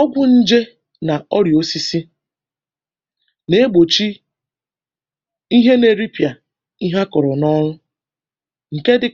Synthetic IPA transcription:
ɔ˦ɡʷʊ˦n̩˦d͡ʒe˦ | na˨ɔ˦ɾjo˦si˦si˦ | ne˦ɡ͡bo˨t͡ʃi˦ | i˦ɦe˦ne˨ɾi˦pja˨ | i˦ɦa˦kɔ˨ɾɔ˨nɔ˦ɾʊ˦ | ŋ̩˨ke˦dɪ˨

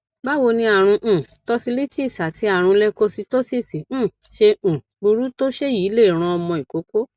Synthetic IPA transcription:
ba˦wo˧nĩ˧a˦˨ɾ̃ũ˧ʔ̩˨tɔ˦si˧li˦ti˦i˦˨sa˨ti˨˦a˦˨ɾ̃ũ˧lɛ˦ko˦si˧to˦si˦˨sĩ˨˦˨ | ʃẽ˧˨ | bu˧ɾu˦to˦ʃe˦˨ji˨˦le˦˨ɾ̃ã˧ɔ˧mɔ̃˧i˨ko˨˦ko˦

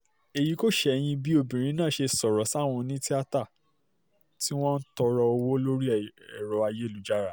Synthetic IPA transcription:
e˨ji˨˦ko˦˨ʃɛ˦˧j̃ĩ˧bi˦o˧˨bĩ˨ɾ̃ĩ˨˦nãː˦˨ʃe˧sɔ˨ɾɔ˨˦sa˦˨w̃ɔ̃˧nĩ˦ti˦a˦ta˦˨ | ti˦w̃ɔ̃˦n̩˦tɔ˧ɾɔ˧o˧wo˦lo˦ɾi˦ɛ˨ɾɔ˨˦a˧je˦˨lu˨d͡ʒa˦ɾa˨

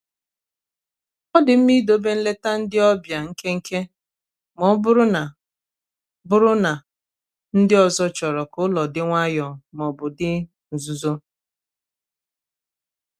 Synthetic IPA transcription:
ɔ˦dɪ˨m̩˦mi˦do˨be˦n̩˦le˦ta˦n̩˦dɪ˦ɔ˦bja˨ŋ̩˦ke˦ŋ̩˦ke˦ | mɔ˦bʊ˦ɾʊ˦na˨ | bʊ˦ɾʊ˦na˨ | n̩˦dɪ˦ɔ˨zɔ˦t͡ʃɔ˨ɾɔ˨kʊ˦lɔ˨dɪ˦ŋʷa˦jɔ˨mɔ˨bʊ˨dɪ˦ | n̩˨zu˨zo˦

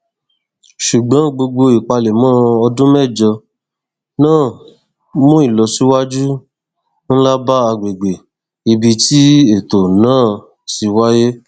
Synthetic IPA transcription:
ʃu˨ɡ͡bã˨˦ɡ͡bo˧ɡ͡bo˧i˨k͡pa˧le˨mɔ̃˦ɔ˧dũ˦mɛ˦˨d͡ʒɔ˧ | nãː˦˨ | mũ˦i˦˨lɔ˨su˦wa˦d͡ʒu˦ | n̩˦la˦ba˦a˧ɡ͡be˨ɡ͡be˨ | i˧bi˧ti˦e˦˨to˨nãː˦˨ | ti˧wa˦je˦

